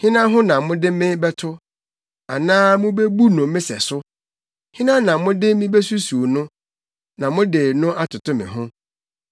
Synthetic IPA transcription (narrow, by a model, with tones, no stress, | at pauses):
hɪ̃˦nã˦ɦʊ̃˦nã˨mʊ̃˦dɪ˦mɪ̃˦bɛ˦tʰʊ˦ | a̰˨nãː˦mʊ̃˦be˦bu˦nʊ̃˨mːɪ̃˦sɛ̰˨sʊ˦ | hɪ̃˦nã˦nã˨mʊ̃˦dɪ˦mĩ˦be˦su˦su˨o˨nʊ̃˦ | nã˨mʊ̃˦dɪ˨nʊ̃˦ʔa˦tʰʊ˨tʊ̃˦mɪ̰̃˨ɦʊ̃˦